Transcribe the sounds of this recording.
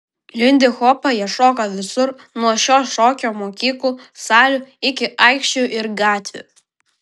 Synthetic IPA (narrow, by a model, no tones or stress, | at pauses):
lʲɪnʲd̪ʲɪxɔːpɐjɛʃoːkɐʋʲɪsʊɾ | nuɔʃʲoːʃoːkʲoːmoːkʲiːklˠuːsɑːlʲʊɪkʲɪʔɑˑɪkʃʲt͡ʃʲʊʔɪɾɡɑːt̪ʲʋʲʊ̰